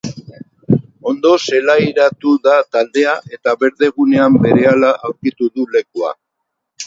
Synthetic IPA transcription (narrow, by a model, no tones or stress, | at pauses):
o̞nd̪o̞se̞lajɾat̪uðat̪ald̪e̞aʔe̞t̪aβe̞ɾðe̞ɣ̞une̞ambe̞ɾe̞alaʔawɾkit̪uðule̞kua̰